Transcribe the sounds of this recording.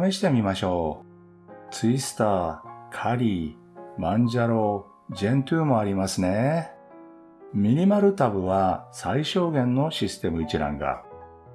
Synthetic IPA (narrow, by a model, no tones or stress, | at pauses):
me̞ɕi̥t̪e̞mʲimaɕo̞ː | t͡sɨisɨ̥t̪aːkʰaɾʲi | mãɲ̟d͡ʑaɾo | d͡ʑẽ̞nt̪ɯːmo̞aɾʲimasɨne̞ | mʲiɲ̟imaɾɯ̟t̪abɯ̟βasaiɕo̞ːɡẽ̞nːo̞ɕisɨ̥t̪e̞mɯ̟it͡ɕiɾã̰ŋɡa̰